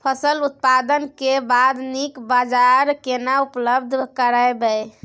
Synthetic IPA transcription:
pʰəsəlut̪̚pad̪ənkebad̪nikbad͡ʒaɾkenaupləbd̪ʱkəɾaebɛ

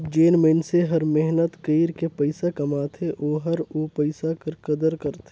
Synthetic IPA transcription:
d͡ʒeːnmenseɦəɾmeɦnət̪kəɪɾkepəɪsakɐmaːt̪ʰeʔoːɦəɾoːpəɪsakəɾkəd̪əɾkəɾt̪ʰe

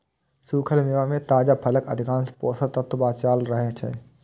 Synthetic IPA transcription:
suːkʰəlmeːʋamẽt̪aːd͡ʒapʰɐləkɐd̪ʱɪkãːnspɔːsət̪ɐt̪ːʊbaːt͡ʃaːlɾəɦet͡ʃʰɛ̰ː

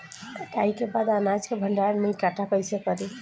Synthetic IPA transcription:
kaikebad̪anad͡ʒkebʱəɳɖaɾnəjkaʈʰakəjsekəɾi

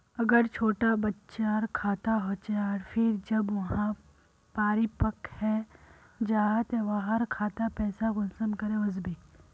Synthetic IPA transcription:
ɐɡəɾt͡ʃʰoːʈabɐtːʃaɾkʰaːt̪aɦot͡ʃeaːɾfʰɪɾd͡ʒɐbʋɐɦã | paːɾipɐkhɛː | d͡ʒaːɦət̪eʋaːɦəɾkʰaːt̪apɛːsaɡʊnsənkɐɾẽʊs̬beː

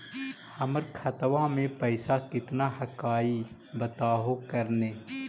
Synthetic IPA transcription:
hɐməɾkʰɐt̪ʋãmẽpəɪsakɪt̪naɦɐkaːi | bət̪aːɦokəɾneː

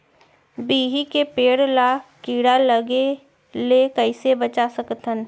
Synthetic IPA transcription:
biːɦikepeːɽlakiːɽaləɡe | lekəɪsebət͡ʃasəkt̪ən

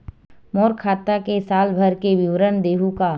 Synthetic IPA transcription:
mɔːɾkʰaːt̪akesaːlbʱəɾkeʋɪʋɾənd̪eːɦuka

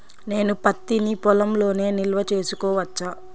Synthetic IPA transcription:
ne̞ːnupɐt̪ːinipɔlɐmlo̞ːne̞ːnilʋɐt͡ʃe̞ːsukɔːʋɐt͡ʃːaː

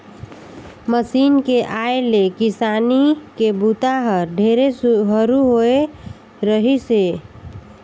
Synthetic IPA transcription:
məsinkeʔaelekisanikebut̪aɦəɾɖʱeɾesɦəɾuɦoe | ɾəɦise

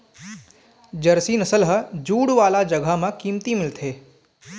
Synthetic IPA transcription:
d͡ʒəɾsiːnəsəlɦəd͡ʒuːɽʋaːlad͡ʒəɡʱamãkiːmt̪imɪlt̪ʰeː

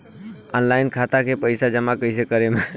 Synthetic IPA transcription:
ɔnlaɪnkʰat̪akepəɪsad͡ʒəmakəisekəɾeme

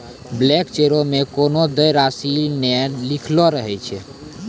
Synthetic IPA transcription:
blɛkt͡ʃeɾomekonod̪əjɾasinɛlikʰlɔɾəɦɛjt͡ʃʰɛ

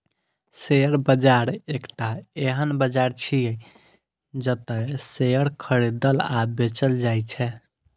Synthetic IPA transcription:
seəɾbəd͡ʒaɾekʈaeɦənbəd͡ʒaɾt͡ʃʰiə | d͡ʒət̪əseəɾkʰəɾed̪əla̰bet͡ʃəld͡ʒajt͡ʃʰɛ

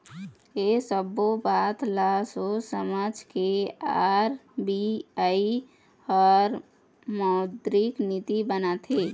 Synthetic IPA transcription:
esəbobat̪lasosəmad͡ʒkeaɾbiai | ɔːɾ | mɔd̪ɾiknit̪ibənat̪ʰɦe

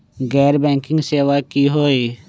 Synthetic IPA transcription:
ɡɛːɾbɛ̃ːŋkɪ̃ŋɡseːʋakiɦoːiː

